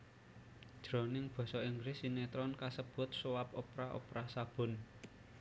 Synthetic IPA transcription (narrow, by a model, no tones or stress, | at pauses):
dd̥ɾɔnɪŋb̥ɔ̤sɔiŋɡɾɪsinet̪ɾɔnkasəb̥ʊ̤t̪̚sowapopɾaʔo̰pɾasab̥ʊ̤n